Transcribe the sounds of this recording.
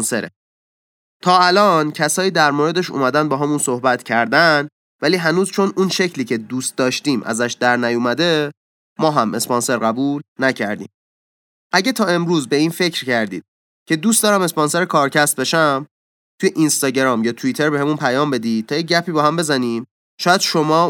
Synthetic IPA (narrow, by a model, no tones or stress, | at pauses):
nseɾḛ | t̪ʰɒːælɒːncʰæsɒːjiːd̪æɾmoɾe̞d̪eʃṵmæd̪ænd̪bɒːɦæmunsohbæt̪cʰæɾd̪æn | væliːɦænuːzt͡ʃʰo̞nunʃe̞cʰliːcʰe̞d̪uːst̪̚d̪ɒːʃt̪iːmʔæ̰zæʃd̪æɾnæjumæd̪e̞ | mɒːɦæme̞spɔnse̞ɾɣæbuːlnæcʰæɾd̪ḭːm | ʔæɟet̪ʰɒːe̞mɾuːzbe̞iːnfe̞cʰɾcæɾd̪iːd̪̥ | cʰe̞d̪uːst̪ɒːɾæme̞spɒnse̞ɾekʰɒːɾcʰæst̪̚be̞ʃæm | t̪ʰujeʔinst̪ɒːɟeɾɒːmjɒːt̪ʰuit̪ʰe̞ɾbehemunpʰæjɒːmbe̞d̪iːt̪ʰɒːjeɟæpʰiːbɒːɦæmbe̞zæniːm | ʃɒːjæd̪̥ʃomɒː